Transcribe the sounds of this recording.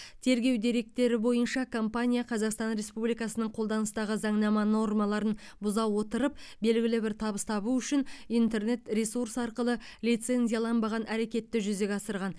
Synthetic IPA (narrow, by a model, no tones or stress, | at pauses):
t̪ʰe̞ɾɡʲe̞wd̪e̞ɾe̞k̚t̪e̞ɾɪbo̞jənʃɑkʰo̞mpanʲijaqʰɑzɑqst̪ɑnɾe̞spublijkɑsənəɴqʰo̞lˠd̪ɑnəst̪ɑʁəzɑɴnɑmɑno̞rmɑlˠɑɾən | bʊzɑwwo̞t̪əɾəp̚be̞lɡʲɪlɪbɪɾt̪ʰɑbəst̪ʰɑβuʏʃɪnijnt̪e̞rne̞t̪rʲesursɑɾqəlˠə | lijt̪se̞nʲzʲijalˠɑnbɑʁɑnʔæɾe̞kʲe̞t̪ːɪʒʏze̞kʲɑsəɾʁɑn